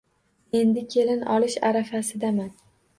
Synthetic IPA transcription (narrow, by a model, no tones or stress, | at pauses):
e̞nd̪ɪkʲʰe̞lɪnɒlɪʃa̰ɾafasɪd̪aman